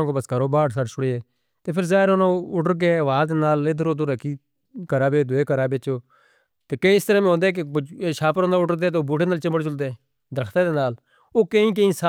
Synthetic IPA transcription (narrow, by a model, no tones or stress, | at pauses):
ãːkoːbəsɡəɾoːbaːʈsəɽt͡ʃʰʊɽeːeː | t̪eːpʰɪɾzaːɪɾonãːʊʈəɾk̬eːʋaːzd̪eːnaːled̪əɾoːd̪oːɾəkiː | kəɾaːbeːd̪ʊeːkəɾaːbeːt͡ʃoː | t̪eːkəĩɪst̪əɾɛːmẽɦõːnd̪eːk̬eʃʰaːpəɾõːnd̪aʊʈəɾd̪eːt̪eoːbuːʈeːnaːlt͡ʃəməɽt͡ʃʊld̪e | d̪əɾəkʰt̪aːd̪eːnaːl | oːkəĩːk̬əĩːsa